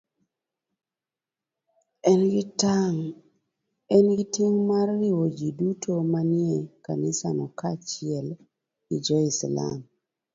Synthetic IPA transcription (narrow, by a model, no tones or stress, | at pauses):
ɛnɡɪtaŋ | ɛnɡitjeŋmarːiwod͡ʒidutʰomanjɛka̰nɪsanɔkat͡ʃɪɛl | id͡ʒɔɪsla̰m